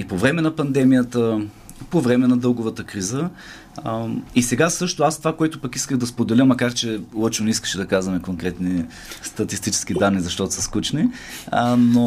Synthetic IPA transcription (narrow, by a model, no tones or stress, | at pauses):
ipovɾɛmɛnɐpɐnd̪ɛmijət̪ə | povɾɛmɛnɐd̪ɤlˠɡʊvət̪əkɾizə | isɛɡasɤʃt̪ʊast̪vakoɛt̪ʊpɐkiskəɣd̪ɐspod̪ɛlʲəmːɐkaɾt͡ʃɛlˠɔt͡ʃnonɛiskə̥ʃɛd̪ɐkazvɐmɛkoŋkɾɛt̪ni | st̪ɐt̪ist̪it͡ʃɛ̥sk̟id̪anːizɐʃt̪ɔt̪ʊ̥sɐskut͡ʃni | no